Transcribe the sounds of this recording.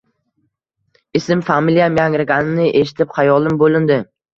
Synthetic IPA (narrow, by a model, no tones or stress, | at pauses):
ɪsɪmfamilijamjaŋɾɪɡʲanɪnɪʔeʃɪ̥t̪ʰɪpχajɒlˠɪmbolɪnd̪ɪ